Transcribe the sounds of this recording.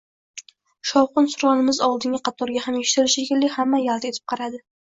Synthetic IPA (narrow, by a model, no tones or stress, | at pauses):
ʃɒwqʊnsʊɾʁɑnɪmɪzɒwlˠd̪ɪŋʲɪqʰɑt̪ʰɒɾɡʲahameʃɪ̥t̪ʰɪɾɪʃekʲɪlːɪhamːajalˠd̪aet̪ʰɪp̚qʰɑɾad̪ɪ